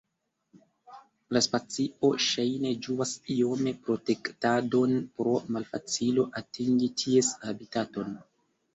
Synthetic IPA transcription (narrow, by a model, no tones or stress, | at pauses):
laspat͡siʔo̞ʃajne̞d͡ʒuasio̞me̞pɾo̞te̞ktado̞npɾo̞malfa̰t͡silo̞ʔatiŋɡitʰie̞shabitato̞n